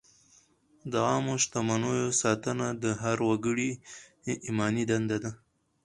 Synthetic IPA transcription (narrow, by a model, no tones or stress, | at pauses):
d̪əɑmoʃt̪amanojosɑt̪ənad̪əɦaɾwaɡəɽi | ʔimɑnid̪and̪ad̪a